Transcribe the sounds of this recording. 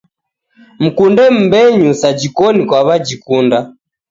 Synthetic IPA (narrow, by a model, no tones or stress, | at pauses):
m̩kundɛm̩bɛɲusad͡ʒikɔnikwaβad͡ʒikunda